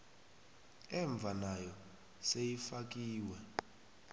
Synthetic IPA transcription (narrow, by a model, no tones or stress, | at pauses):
ɛɱb̪vʱanajɔ | sejifak̬ʼiːwɛ